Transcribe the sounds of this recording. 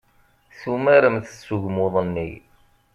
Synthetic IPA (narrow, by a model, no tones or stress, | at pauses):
θumæɾəmθə̥sːuʝmoðˤənːḭ